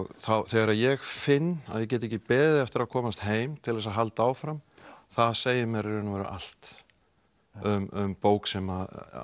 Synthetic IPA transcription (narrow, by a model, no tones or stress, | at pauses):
ɔɣθawθɛɣaɾaðjɛɣfɪnːa̰ðjɛc̬ɛt̪ɪɛcːɪpɛːðɪɛft̪ɪɾakʰɔːmast̪ɦeːjmt̪ʰɪlðɛs̬aɦalt̪aawfɾamθaðseːjɪmɛɾɾɪnuvɛɾʏ̰ʔa̰l̥t̪ | ʏmʏmpoːwksɛma